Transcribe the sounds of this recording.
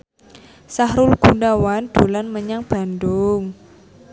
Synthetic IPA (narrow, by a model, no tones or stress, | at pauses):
sahɾʊlɡ̥ṳndawand̪̥olanməɲaŋb̥a̤ndʊŋ